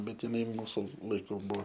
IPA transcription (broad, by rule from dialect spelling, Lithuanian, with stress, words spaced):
ˈbʲɛt jɪˈnɐɪ ˈmuːsʊ lˠɐɪˈkuː ˈbuɔ